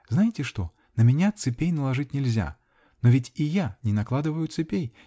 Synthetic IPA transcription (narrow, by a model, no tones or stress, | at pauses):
znajɪtʲɪʂt̪ɔ̰ | nɐmʲɛnʲat̪sɨpʲejnɐlˠaʐɨt̚ʲnʲɪlʲzʲa̰ | nɔvʲɪt͡sʲijanʲɪnaklˠad̪ɨvəjʊt̪sɨpʲej